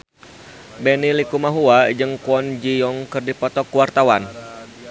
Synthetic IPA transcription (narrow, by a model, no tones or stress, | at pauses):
bɛnilikumaɦuad͡ʒɨŋkuɔnd͡ʒijɔŋkɨrdipɔt̪ɔkuwart̪awan